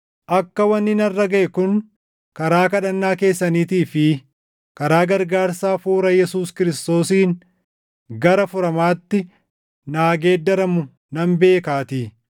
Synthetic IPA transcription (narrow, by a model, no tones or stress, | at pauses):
ʔɐkːɐwɐnːɪnɐrːɐɡɐʔɛkʊn | kɐɾaːkɐᶑɐnːaːke̞ːsːɐniːt̪iːfɪ | kɐɾaːɡɐɾɡaːɾsaːfuːɾɐjɛsuːskɪɾɪst̪o̞ːsiːn | ɡɐɾɐfʊɾɐmaːt̪ːɪ | naːɡe̞ːd̪ːɐɾɐmʊ | nɐmbe̞ːkaːt̪iː